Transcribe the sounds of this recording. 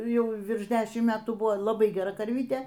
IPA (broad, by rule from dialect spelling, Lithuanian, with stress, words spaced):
ˈjɛʊ ˈʋʲɪrʃ ˈdʲæːʃʲɪm ˈmʲæːtuː ˈbʊʋoː lˠɐˈbɐɪ ɡʲɛˈrɐ kɐrʲˈʋʲiːtʲeː